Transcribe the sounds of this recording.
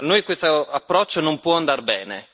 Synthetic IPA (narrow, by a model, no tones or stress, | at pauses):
nojkwest̪oapːɾɔt͡ʃːonompwɔand̪arbɛːne